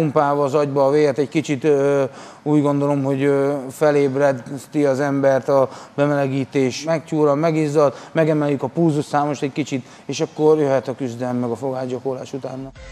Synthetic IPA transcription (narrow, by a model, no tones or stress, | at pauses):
umpaːvɒːzɒɟbɒːveːɡɛt̪ɛɟkit͡ʃit̪ | uːɟɡo̞nd̪o̞lo̞mɦo̞ɟøfɛleːbrɛt̪iɒzɛmbɛrt̪ɒbɛmɛlɛɡiːt̪eːʃmɛkcuːɾɒmɛɡiːzːɒt̪mɛɡɛmɛljykɒpuːzussaːmo̞ʃt̪ɛckit͡ʃit̪ | eːʃɒkːo̞rjøɦɛt̪ɒkyzd̪ɛlɛmːɛɡɒfo̞ɡaːʒd͡ʒoko̞la̰ːʃut̪aːnːɒ